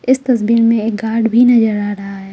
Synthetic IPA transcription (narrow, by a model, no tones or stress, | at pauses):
ɪst̪ɐsbiːɾmẽeːk̚ɡaːɾɖbʱinɐd͡ʒəɾaːɾɐɦaɦɛː